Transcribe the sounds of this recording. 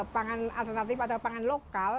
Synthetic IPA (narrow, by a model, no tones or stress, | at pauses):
paŋana̰lt̪ərnat̪ifat̪awpaŋanlokal